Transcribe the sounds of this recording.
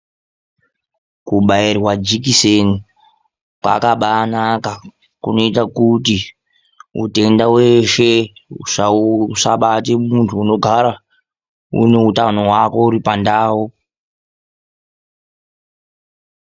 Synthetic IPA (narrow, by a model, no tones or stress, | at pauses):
kuɓairwad͡ʒikiseni | kwa̰kaɓaːnaka | kuno̞itakuti | ṵte̞ndaweʃeuʂausaɓatemuntʰuːno̞ɡʱaɾa | ṵne̞utano̞ɦwako̞uɾipandaːwo